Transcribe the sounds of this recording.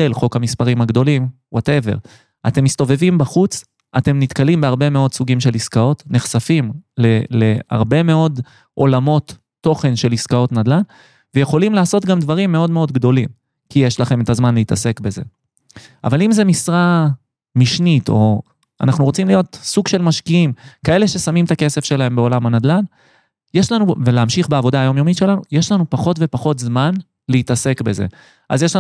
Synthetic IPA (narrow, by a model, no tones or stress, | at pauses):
elχo̞khamispaʁimaɡd̪o̞lim | wʔate̞ve̞̰ʁ | ate̞mist̪o̞ve̞vimbaχut͡s | ʔate̞mnit̪kalimbeaʁbe̞me̞o̞dsuɡimʃe̞liskao̞tneχsafimlelea̰ʁbe̞me̞o̞d | ʔo̞lamo̞t̪ː | o̞χe̞nʃe̞liskao̞tnadlan | vejeχo̞limlaːso̞t̪ɡamdvaʁimːe̞o̞dme̞o̞d̪ɡd̪o̞lim | kijeʃlaχe̞met̪azmanleitase̞kbe̞ze̞̰ | ʔa̰valimzemisʁa | miʃnito̞̰ | a̰naχnuʁot͡simlijo̞tsuɡʃe̞lmaʃkiimkae̞le̞ʃe̞samimt̪ake̞se̞fʃe̞lahe̞mbeo̞lamhanad̪lan | jeʃlanuveleamʃiχbeavo̞d̪aːjo̞mjo̞mitʃe̞lanṵjeʃlanupaχo̞tve̞paχo̞tzman | leitase̞kbe̞zḛ | ʔa̰zjeʃla